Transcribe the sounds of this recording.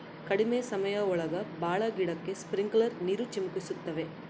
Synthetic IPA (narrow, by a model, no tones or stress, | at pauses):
kɐɽɪmesɐmɐjɐɔɭɐɣɐbaːɭɐɡɪɽɐkːespɾɪŋɡlɐɾnɪɾɯt͡ʃːɪmʊkːɪsɯt̪ːɐʋe